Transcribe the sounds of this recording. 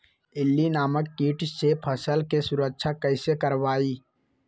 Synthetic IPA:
ɪlːinaːməkːiːʈsepʰɐsəlkesʊɾəkʃʰakɐɪsekəɾʋaːiː

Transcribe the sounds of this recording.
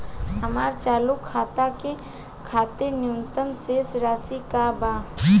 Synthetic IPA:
ɦɐmaːɾt͡ʃaːlukʰːaːt̪ake | kʰaːt̪eɾnjunt̪əmsesɾaːsikabaː

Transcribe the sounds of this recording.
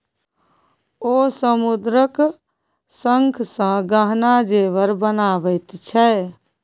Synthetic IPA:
osəmud̪ɾək | səŋkʰsə̃ɡəɦnad͡ʒeʋəɾbənaʋəɪt̪t͡ʃʰɛ

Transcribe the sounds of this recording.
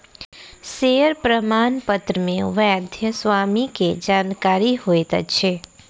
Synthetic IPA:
seəɾpɾəmaːnpət̪ɾəmẽʋəjad̪ʱjəsʋamiked͡ʒaːnkaɾiɦoet̪ə̰t͡ʃʰe

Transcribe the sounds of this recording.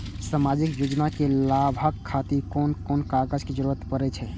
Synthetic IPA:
samad͡ʒikjod͡ʒnakelabʱəkʰːat̪iɾkonkonkaɡəd͡ʒked͡ʒəɾuɾət̪pəɾɛt͡ʃʰɛ

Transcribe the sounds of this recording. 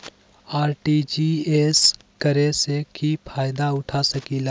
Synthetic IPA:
aːɾʈid͡ʒies | kəɾesekipʰaːjd̪aʊʈʰasəkila

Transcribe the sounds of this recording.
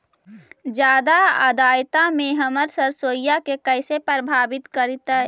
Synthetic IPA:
d͡ʒjaːd̪aə̰d̪aːjt̪ameɦəməɾsəɾsoːjjakekəɪsepɾəbʱaːbɪt̪kəɾit̪ə

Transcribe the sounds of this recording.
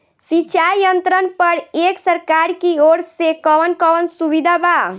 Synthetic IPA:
sit͡ʃajjənt̪ɾənpəɾeksəɾkaɾkioɽsekɔʋənkəʋənsuʋid̪ʱaba

